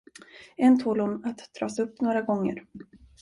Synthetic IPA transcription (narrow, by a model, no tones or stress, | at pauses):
ɛnt̪ʰuːlhʊnat̪d̪ɾɑ̰ːsɵpːnoːɾaɡɔŋːə̰ɾ